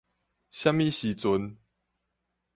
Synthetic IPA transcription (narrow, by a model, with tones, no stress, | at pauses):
ɕja˥˦mi˥˨ɕi˨˦t͡sʊ˨˦n